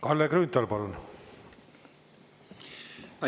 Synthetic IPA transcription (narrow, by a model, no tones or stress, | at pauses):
kɑlːekrynt̪ːɑlpɑlːon